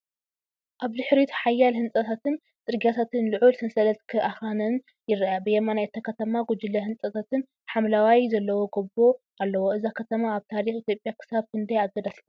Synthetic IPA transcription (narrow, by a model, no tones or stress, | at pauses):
ʔaβd̪ɨħɾit̪ħajːalhɨnt͡sʼɐt̪ʰat̪ʰɨn | t͡sʼɨɾɡiat̪ʰat̪ɨnlɨʕulsʰɨnsɐlɐt̪kʰɨʔaxanɐn | jɪɾɐabɨjɛmanajt̪ʰːakʰɐt̪ʰɐmaɡud͡ʒɨlːɐhɨnsʼɐt̪ʰat̪ɨn | ħamlawajzɐlːɐwoɡɐbo | ʔalːɐwoʔɨzakʰɐt̪ʰɐmaːβt̪ʰaɾixit̪ʰjo̞pʼjakʰɨ̥saβkɨnd̪ajaɡɐd̪aslu